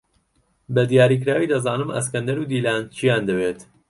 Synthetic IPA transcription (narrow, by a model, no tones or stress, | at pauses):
bɐd̪ijaːɾik̬ɾaːwiːd̪ɐzaːnɨmɐ̰s̬kɐnd̪ɐɾuːd̪iːlaːnt͡ʃʰijaːnd̪ɐweːt̪